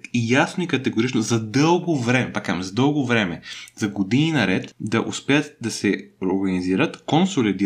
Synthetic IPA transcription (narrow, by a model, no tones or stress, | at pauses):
ijasnʊikɐt̪ɛɡoɾit͡ʃnozɐd̪ɤlˠɡovɾɛmɛpakamzɐd̪ɤlˠɡovɾɛmɛzɐɡod̪ininɐɾɛt̪d̪ɐʔʊspɛət̪d̪ɐsɛɾoɾɡɐniziɾət̪konsolid̪i